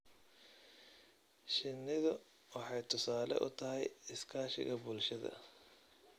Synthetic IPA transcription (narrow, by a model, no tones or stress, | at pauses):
ʃɪnːɪðʊ | wɑħɑjt̪ʰʊsaːlɛ̰ʔʊ̰t̪ʰɐɦɛ̰jɪskʰaːʃɪ̰ɣɐbʊlʃɐðɐ̰